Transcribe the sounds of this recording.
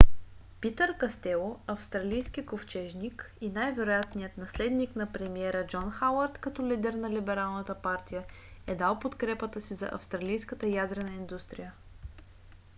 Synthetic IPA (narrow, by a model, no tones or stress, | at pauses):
pit̪əɾkɐst̪ɛlˠoɐfst̪ɾɐlijskikoft͡ʃɛʒnik | inajvɛɾojat̪nijət̪nɐslɛd̪niknɐpɾɛmiɛɾəd͡ʒɔnxawəɾt̪kɐt̪ɔlid̪ɛɾnɐlibɛɾalˠnət̪əpaɾt̪ijə | ɛd̪alˠpot̪kɾɛpət̪əsizɐ̰ʔɐ̰fst̪ɾɐlijskət̪əjad̪ɾɛnəind̪ust̪ɾijə